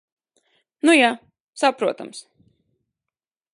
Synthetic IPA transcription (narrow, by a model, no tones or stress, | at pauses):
nuja | sapɾuɔt̪a̰ms